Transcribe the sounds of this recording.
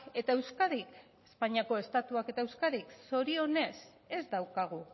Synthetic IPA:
e̞t̪ae̞wskaðik | espaɲiako̞e̞st̪at̪uake̞t̪aewskaðikso̞ɾio̞ne̞s | e̞zd̪awkaɣ̞u

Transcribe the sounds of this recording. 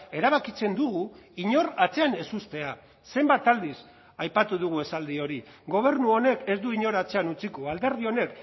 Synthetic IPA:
e̞ɾaβ̞akit͡se̞nd̪uɣ̞uiɲo̞ɾat͡se̞ane̞sust̪e̞a | se̞mbat̪ald̪is | ajpat̪uðuɣ̞ue̞sald̪io̞ɾiɡo̞β̞e̞ɾnuo̞ne̞ke̞zd̪uiɲo̞ɾat͡se̞anut͡sikoald̪e̞ɾðio̞ne̞k

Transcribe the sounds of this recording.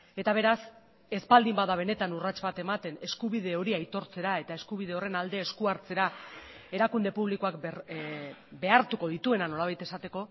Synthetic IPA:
e̞t̪aβ̞e̞ɾas | e̞spald̪imbaðaβ̞e̞ne̞t̪anurat͡ʃβat̪e̞mat̪e̞ne̞skuβ̞iðe̞o̞ɾiajt̪o̞ɾt͡se̞ɾae̞t̪ae̞skuβ̞ið̞e̞o̞re̞nald̪e̞ːskuaɾt͡se̞ɾa | e̞ɾakund̪e̞puβ̞liko̞ak | be̞aɾt̪uko̞ð̞it̪ue̞nano̞laβ̞ajt̪e̞sat̪e̞ko̞

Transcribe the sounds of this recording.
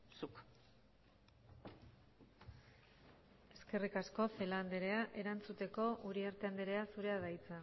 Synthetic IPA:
suk | e̞ske̞rikasko̞fe̞land̪eɾe̞aʔe̞ɾant͡sut̪e̞ko̞ʔuɾiaɾt̪eand̪eɾe̞asuɾe̞aðajt͡sa

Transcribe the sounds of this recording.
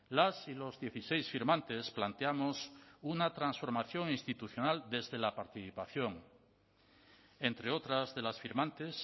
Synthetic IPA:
lasilo̞zðje̞θise̞jsfiɾmãnt̪e̞splant̪eamosunat̪ɾansfo̞ɾmaθjo̞ŋinst̪it̪uθjonald̪e̞zðelapaɾt̪iθipaθjoŋ | e̞nt̪ɾeot̪ɾazðe̞lasfiɾmãnt̪es

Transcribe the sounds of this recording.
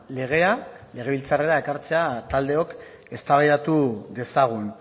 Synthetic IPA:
le̞ɣ̞e̞ale̞ɣe̞βilt͡sare̞ɾaekaɾt͡se̞at̪ald̪e̞o̞k | e̞st̪aβajɾat̪uðe̞saɣ̞un

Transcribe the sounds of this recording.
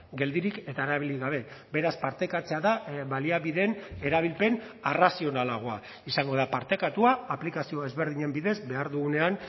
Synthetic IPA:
ɡe̞ld̪iɾike̞t̪aeɾaβ̞iliɣaβ̞e̞be̞ɾaspaɾt̪e̞kat͡se̞aðaβaliaβiðe̞ne̞ɾaβ̞ilpe̞n | arasio̞nalaɣ̞o̞a | isaŋɡo̞ð̞apaɾt̪e̞kat̪uaːplikasio̞ezβe̞ɾð̞iɲe̞mbiðe̞zbe̞aɾðuɣune̞an

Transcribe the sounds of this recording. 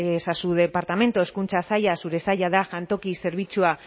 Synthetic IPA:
sasuðepaɾt̪ame̞nt̪oeskunt͡sasajasuɾe̞sajaðaʝant̪o̞kise̞ɾβ̞it͡sua

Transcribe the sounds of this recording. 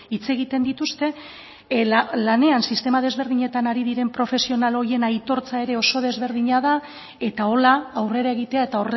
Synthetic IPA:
it͡se̞ɣ̞it̪e̞nd̪it̪ust̪e̞ | lane̞ansist̪e̞mað̞e̞zβ̞e̞ɾð̞iɲe̞t̪anaɾiðiɾe̞mpɾo̞fe̞sio̞nalo̞ɾie̞najt̪o̞ɾt͡sae̞ɾe̞o̞so̞ð̞e̞zβe̞ɾðiɲaða | e̞t̪ao̞laːwre̞ɾae̞ɣ̞it̪e̞ae̞t̪ao̞re

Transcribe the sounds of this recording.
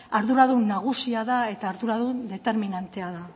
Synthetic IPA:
aɾðuɾaðunːaɣ̞usiaðae̞t̪aːɾðuɾaðund̪e̞t̪e̞ɾminant̪e̞aða

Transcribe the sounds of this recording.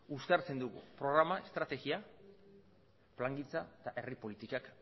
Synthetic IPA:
ust̪eaɾt͡se̞nd̪uɣṵpɾo̞ɣ̞ɾamae̞st̪ɾat̪e̞ɣia | plaŋɡit͡sat̪aʔe̞ripo̞lit̪ikak

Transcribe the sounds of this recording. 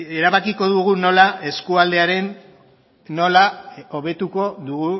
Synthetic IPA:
e̞ɾaβakiko̞ðuɣuno̞lae̞skuald̪e̞aɾe̞nː | o̞laoβ̞e̞t̪uko̞ðuɣu

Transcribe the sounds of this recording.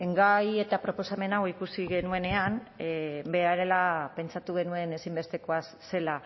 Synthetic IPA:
e̞ŋɡaje̞t̪apɾo̞po̞same̞nawikusiɣe̞nue̞ne̞an | be̞aɾe̞lape̞nt͡sat̪uɣ̞e̞nue̞ne̞simbe̞st̪e̞ko̞asse̞la

